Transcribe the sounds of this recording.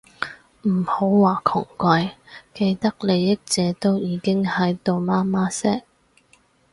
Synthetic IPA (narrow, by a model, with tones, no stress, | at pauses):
m̩˨˩ho˨˥wwaː˨˩kʰʊ˨˩ŋkʷɐ˨˧jke˧jt̪ɐ˥k̚le˨˧jːɪ˥k̚t͡sɛː˨˥t̪o˥wjiː˨˥kɪ˥ŋhɐ˨˥jt̪o˨wmaː˥maː˥sɛː˥k̚